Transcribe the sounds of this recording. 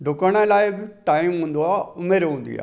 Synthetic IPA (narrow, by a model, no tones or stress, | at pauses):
ɖʱʊkəɽ̃ãɪlaːɪbiʈaːimɦũːnd̪oaːʊmeɾɦũːnd̪ḭa̰ː